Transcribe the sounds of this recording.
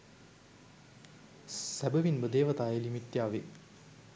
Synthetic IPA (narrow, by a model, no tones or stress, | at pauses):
sæbəʋinbəd̪eːʋɐt̪aːjelimiʈ̪ːjaːʋe